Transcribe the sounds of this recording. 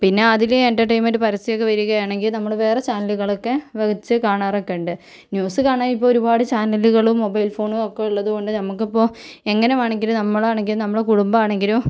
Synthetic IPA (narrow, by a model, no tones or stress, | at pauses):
pinːe̞ɐðileenʈɐʈɐjmoɾupɐɾɐsijokːe̞ʋɐɾuɣɐjaːɳe̞ŋɡilnɐmːɐɭʋe̞ːret͡ɕaːnɐluɣɐɭo̞kːe̞ʋeɐt͡ɕːɨkaːɳaːrokːeɳɖɨ | njuːsɨkaːɳaːjip̬ːoːoɾubaːɽɨt͡ɕaːnɐluɣɐɭumːo̞bɐjlfo̞ːɳuokːeiɭːɐðuɣo̞ɳɖɨnɐmukːipːo̞ːe̞ŋːɐneʋaːɳeŋɡilumnɐmːɐɭaːɳe̞ŋɡilumnɐmːɐɭekuɽumbɐaːɳe̞ŋɡilu